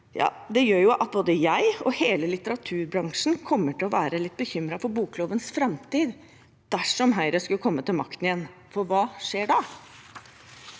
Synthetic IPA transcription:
jɑ̰ː | d̪ɛjøːɾjʊʔɑt̪̚boːd̪əjæɪɔheːləlɪt̪əɾɑt̪ʰʉːɾbɾɑŋʂn̩kʰɔmːəʈɪlɔʋæːɾəlɪt̪̚ːbəçʏmɾɑfɔɾbuːkʰːloːʋənsfɾɑmt̪iːd̪ | d̪̥æʂɔmɦæɪɾəskʉlkʰɔmːət̪ɪlmɑkt̪ənɪjɛnfɔɾʋɑːʂeːɖɑ

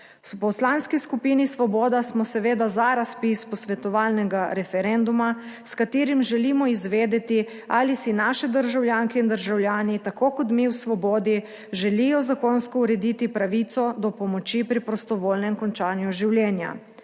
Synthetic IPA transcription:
pɔslanskiskupiːnisʋɔbɔːd̪asmɔsɛʋeːd̪azaɾaspispɔsʋɛt̪ɔʋaːlnɛɡaɾɛfɛɾɛnd̪umaskat̪eːɾimʒɛlimɔizʋeːd̪ɛt̪i | alisinaːʃɛd̪əɾʒawljaːŋkɛind̪əɾʒawljaːnit̪akoːkɔt̪miwsʋɔbɔːd̪i | ʒɛlijɔzakonskɔuɾɛd̪it̪ipɾaʋit̪sɔd̪ɔpɔmɔt͡ʃipɾipɾɔst̪ɔʋoːlnɛmkɔnt͡ʃaːnjuʒiwljɛːnja̰

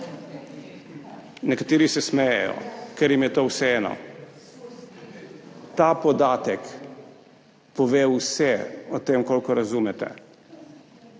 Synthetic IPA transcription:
nɛkat̪eːɾisɛsmɛjɛ̰jɔ̰kɛɾjimjɛt̪oːwsɛɛːnɔ̰ | t̪aːpɔd̪aːt̪ɛk | pɔʋewsɛɔt̪eːmkoːlkɔɾazumɛt̪ɛ̰

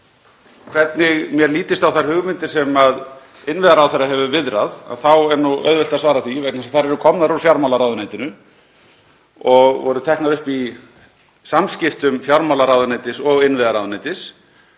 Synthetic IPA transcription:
kʰvɛt̪nɪɣmjɛɾliːt̪ɪst̪awθaɾ̥hʏɣmɪnt̪ɪɾ̥sɛmað | ɪnvɪðaɾawθɛɾːaɦɛvʏvɪðɾaða̰ðθawɛɾnːuœ̰ðvɛlt̪asvaːɾaθvivɛknasaθaɾɛɾʏkʰɔmnaɾuɾfjawɾmawlaɾaːwðʏnajt̪ɪnʏ | ɔɣvɔɾʏt̪ʰɛhknaðʏhpi | samscɪft̪ʏmfjawɾmawlaɾaːwðʏnajt̪ɪsɔɣɪnvɪðaɾawðʏnajt̪ɪs

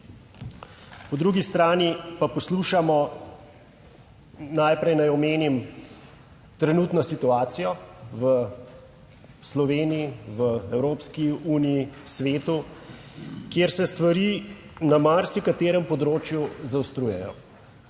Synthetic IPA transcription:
pɔd̪ɾuːɡist̪ɾaːnipapɔsluːʃamɔ | najpɾɛjnajɔmeːnim | t̪ɾɛnuːt̪nɔsit̪uaːt̪sijɔʋə | slɔʋeːnijiʋəɛwɾoːpskiuːnijisʋeːt̪u | kjeːɾsɛst̪ʋaɾiːnamaɾsikat̪eːɾɛmpɔd̪ɾoːt͡ʃjuzawst̪ɾuːjɛjɔ̰

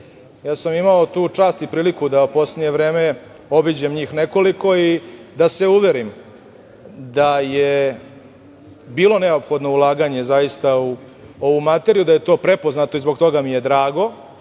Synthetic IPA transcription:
jaːsamimaot̪uːt͡ʂaːst̪ipɾiːlikud̪aupo̞sledɲeʋɾe̞ːme | obid͡ʑemɲiːxneko̞liko̞id̪aseuʋe̞ɾim | d̪aje | biːlˠo̞ne̞opxo̞d̪no̞ulˠaːɡaɲe̞zajist̪au | o̞ʋumat̪e̞ɾijud̪aje̞t̪o̞ːpɾe̞po̞znat̪o̞izbo̞ɡt̪o̞ɡamijed̪ɾaːɡo̞

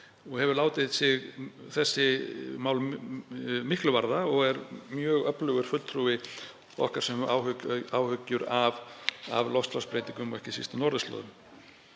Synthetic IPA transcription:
ɔɣhɛvʏɾlaːwt̪ɪðsɪɣθɛsːɪmaːwl | mɪhklʏvaɾðaɔɣɛɾmjœːɣœplœɣʏɾ̥fʏlt̪ʰɾuvɪ | ɔ̰hkaɾ̥sɛmawhʏaːwhʏcːʏɾava̰vlɔst̪aspɾejt̪iŋkʏmɔ̰ɛhcɪsḭst̪ʏnɔɾðʏst̪lɔ̰ːðʏm

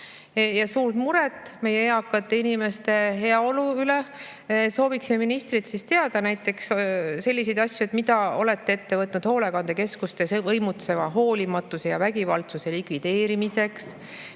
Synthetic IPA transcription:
jɑsuːrt̪muɾet̪ːˑme̞jeeɑkːˑɑt̪ːeinime̞st̪e̞ɦe̞ɑo̞luyle̞ | so̞ːviksimeminist̪rit̪sist̪e̞ɑd̪̥ɑnæjt̪ːˑe̞ksse̞lːise̞jd̪̥ɑsjuet̪mid̪ɑole̞t̪ːee̞t̪ːe̞vɤt̪ːˑnud̪̥ho̞ːle̞kɑnd̪e̞ke̞skust̪esvɤjmut̪se̞vɑɦo̞ːlʲimɑt̪ːˑuse̞jɑvæɡ̥ivɑ̰lt̪suse̞likvid̪̥e̞ːɾimise̞ks

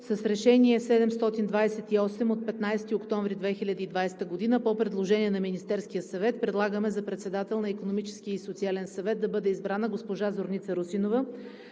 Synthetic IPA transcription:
sɐsɾɛʃɛniɛsɛd̪ɛmst̪ɔt̪ind̪vajsɛt̪iɔsɛmot̪̚pɛt̪najsɛt̪iokt̪ɔɱvɾid̪vɛxilʲɐd̪əid̪vajst̪əɡod̪inəpopɾɛd̪lˠoʒɛniɛnɐminist̪ɛɾskijəsɐvɛt̪̚pɾɛd̪lˠaɡəmɛzɐpɾɛt̪sɛd̪at̪ɛlˠnɐikonomit͡ʃɛ̥skiisot̪sialɛnsɐvɛt̪̚d̪ɐbɤd̪ɛizbɾanəɡospoʒazoɾnʲit̪səɾusinovə

